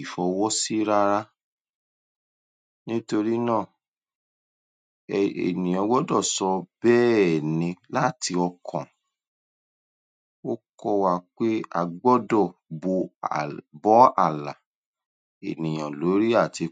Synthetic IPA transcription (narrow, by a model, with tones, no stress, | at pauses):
fɔ˧wɔ˦si˦ɾa˦ɾa˦ | nĩ˦to˧ɾi˦nãː˦˨ | ḛ˨nĩ˨j̃ɔ̃˨˧wɔ˦dɔ˦˨sɔ˧bɛː˦ɛ˨nĩ˧la˦˨ti˧ɔ˧kʰɔ̰̃˨ | o˦kɔ˦wa˦˨k͡pe˦a̰˨ɡ͡bɔ˦dɔ˦˨bo˧ | bɔ˨˦a̰˦˨la˨ | e˨nĩ˨j̃ã˨lo˨˦ɾi˦a˦˨ti˧